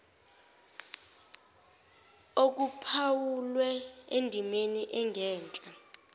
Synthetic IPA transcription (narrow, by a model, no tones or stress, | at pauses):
ok̬upʰawulwɛendʱimeniʔɛŋʱɛːnt͡ɬʼa